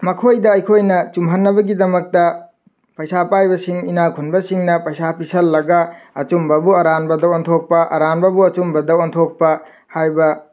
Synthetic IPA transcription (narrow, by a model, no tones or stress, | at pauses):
mɐkʰojdɐːjkʰojnɐt͡ʃumɦɐnːɐbɐɡidɐmɐk̚tɐ | pɐjsapajbɐsiŋinakʰunbɐsiŋnɐpɐjsapisɐlːɐɡɐɐt͡ʃumbɐbuɐɾanbɐdɐwɐntʰok̚pɐʔɐ̰ɾanbɐbuɐt͡ʃumbɐdɐwɐntʰok̚pɐ | hajbɐ